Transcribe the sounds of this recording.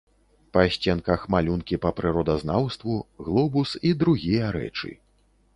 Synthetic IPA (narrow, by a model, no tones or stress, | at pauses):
pɐsʲt͡sʲɛnkɐxmalʲunkʲipɐpɾɨɾɔd̪ɐznawst̪vuɣlˠɔbusid̪ɾuɣʲijɐɾɛ̰t͡ʂɨ̰